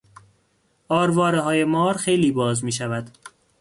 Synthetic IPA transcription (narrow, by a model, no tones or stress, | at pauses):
ʔɒːɾvɒːɾeɦɒːjemɒːɾxejliːbɒːzmiːʃævæd̪̥